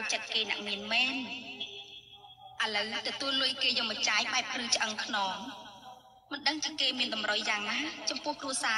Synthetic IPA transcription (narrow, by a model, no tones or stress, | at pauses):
t͡ɕət̪̚keːna̰ʔmiənmɛːn | ʔəələwt̪ɔt̪uəlɨəjkeːjoːmət͡ɕaːjɓaɛp̚rɨːt͡ɕʔəŋkʰnɔːŋ | mɨnɗəŋt͡ɕiəkeːmiənɗɑmrəjːaːŋnaːt͡ɕɑmpʊ̆əhkruəsaː